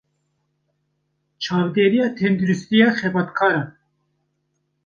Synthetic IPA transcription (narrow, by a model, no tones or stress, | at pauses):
t͡ʃʰɑːvd̪eːɾijɑːt̪ʰɛnd̪uɾist̪ijɑːxɛbɑt̪kʰɑːɾɑ